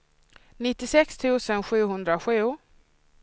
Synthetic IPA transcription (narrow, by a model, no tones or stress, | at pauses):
nɪt̪ːɪsɛkst̪ʰʉ̟ːsənɧʉ̟ːɦɵnd̪ɾaɧʉ̟ː